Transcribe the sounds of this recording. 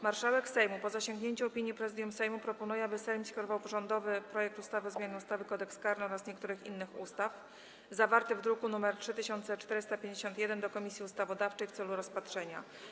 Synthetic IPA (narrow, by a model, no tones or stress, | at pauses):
maɾʂawɛksɛjmupɔzaɕɔŋɡɲeɲt͡ɕɛɔpʲiɲjipɾɛzɘd̪jumsɛjmupɾɔpɔnujɛabɘsɛjmskʲɔɾɔvawpɔʐɔnd̪ɔvɘpɾɔjɛk̚t̪ust̪avɘɔzmjanɘust̪avɘkɔd̪ɛkskaɾnɔɾasɲɛk̚t̪uɾɘxḭnːɘxṵst̪af | zavaɾt̪ɘvd̪ɾukunumɛɾtʂɘt̪ɘɕɔnt̪sɛt͡ʂt̪ɛɾɘst̪apʲjeɲd͡ʑeɕɔnt̪jɛd̪ɛnd̪ɔkɔmʲisʲjiust̪avɔd̪aft͡ʂɛjft̪sɛluɾɔspat̪ʂɛɲa̰